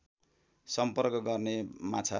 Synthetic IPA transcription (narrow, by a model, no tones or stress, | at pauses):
sʌmpʌrkʌɡʌrnemat͡sʰa̰